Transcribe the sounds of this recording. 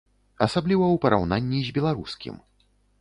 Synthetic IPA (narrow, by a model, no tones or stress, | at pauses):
ɐsablʲivɐwpɐɾʔa̰wnanʲːizʲbʲɛlˠaɾuskʲḭm